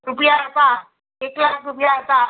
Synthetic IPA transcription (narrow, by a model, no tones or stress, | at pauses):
ɾupjaɾupa | eklakɾupjaɾupa